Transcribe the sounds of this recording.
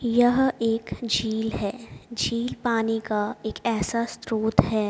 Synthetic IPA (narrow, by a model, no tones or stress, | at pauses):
jɐɦeːkd͡ʒiːlɦɛːd͡ʒiːlpaːnikaeːkɛːsast̪ɾoːt̪ɦɛː